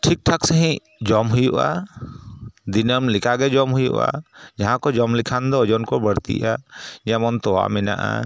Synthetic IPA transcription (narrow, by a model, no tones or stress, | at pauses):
ʈʰik̚ʈʰaksəɦĩ | d͡ʒɔmɦujuʔa̰ | d̪inəmlikʰaɡɛd͡ʒɔmɦujṵʔa̰d͡ʒaɦãkɔd͡ʒɔmlikʰand̪ɔɔd͡ʒɔnkɔbəɽt̪ḭʔad͡ʒɛmɔnt̪ɔwa̰mɛna̰ʔa̰